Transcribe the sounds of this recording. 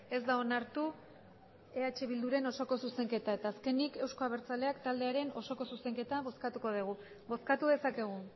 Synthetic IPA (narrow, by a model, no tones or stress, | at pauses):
e̞zd̪ao̞naɾt̪u | e̞at͡ʃe̞βild̪uɾe̞no̞so̞ko̞suse̞ŋke̞t̪ae̞t̪aːske̞nike̞wsko̞aβe̞ɾt͡sale̞akt̪ald̪e̞aɾe̞no̞so̞ko̞suse̞ŋke̞t̪aβo̞skat̪uko̞ð̞iɣ̞u | βo̞skat̪uðesake̞ɣ̞u